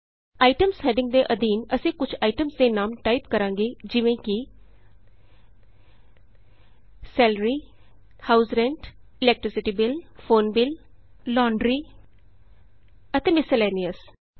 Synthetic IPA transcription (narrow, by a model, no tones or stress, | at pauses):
aːiɪʈəmsɦɛːɖɪ̃ŋɡ̚d̪eːʔəd̪iːnəsĩːkʊt͡ʃʰaːiʈəmsd̪eːnaːmʈaːipkəɾãːŋɡeːd͡ʒɪʋẽːkɪ | sɛːlɾiː | haːuzɾɛ̃ɳʈɪlɛːk̚ʈɾɪsɪʈiːbɪlfʰoːnbɪl | lɔːɳɖɾiː | ət̪eːmɪsəleːniəs